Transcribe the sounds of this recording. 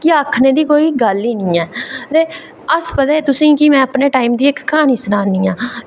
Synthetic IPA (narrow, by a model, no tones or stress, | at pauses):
kɪaːkʰːneːd̪iːkoːiːɡəliːnĩːɛːt̪eː | əspət̪aːeːt̪ʊsĩːkimɛ̃ːəpneːʈaːiːmd̪iːɪkːaːniːsnaːniːãː